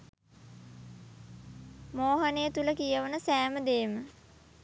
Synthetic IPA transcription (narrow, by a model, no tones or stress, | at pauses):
moːɦənejət̪uləkijəʋənəsæːməd̪eːmə